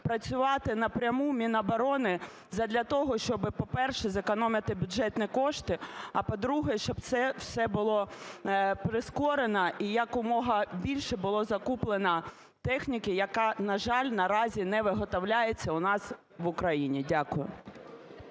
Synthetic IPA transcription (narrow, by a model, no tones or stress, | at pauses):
pɾɐt͡sʲʊʋɑt̪ɪnɐpɾʲɐmumʲinɐbɐɾɔnɪ | zɐd̪lʲɐt̪ɔɦɔʃt͡ʃɔbɪpɔpɛrʃɛzekɔnɔmʲɪt̪ɪbʲʊdʒɛt̪nʲikɔʃt̪ɪɐpɔd̪ɾuɦɛʃt͡ʃɔb̚t̪sɛwsɛbʊlˠɔ | pɾɪskɔɾenɐʔijɐkʊmɔɦɐbʲilʲʃɛbʊlˠɔzɐkuplˠenɐ | t̪ɛxnʲikɪjɐkɑnɐʒɑlʲnɐɾɑzʲinɛʋɪɦɔt̪ɔwlʲajet͡sʲːɐʊnɑs | ʋʊkɾɐjinʲidʲakʊjʊ̰